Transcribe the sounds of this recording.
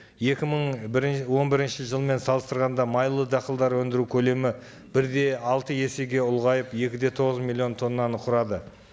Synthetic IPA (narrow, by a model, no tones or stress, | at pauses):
je̞kʲɪməɴwo̞nbɪɾɪnʃɪʒəlˠəme̞nsɑlˠəst̪əɾʁɑnd̪ɑmɑjlˠəd̪ɑqəlˠd̪ɑɾwɵnd̪ɪɾukʲʰɵle̞mɪ | b̥ɪɾd̪e̞ɑlˠt̪əje̞se̞ɡʲe̞ʊlˠʁɑjəpje̞kʲɪd̪e̞t̪ʰo̞ʁəzmilʲːˠio̞nt̪ʰo̞nːɑnqʰʊɾɑd̪ə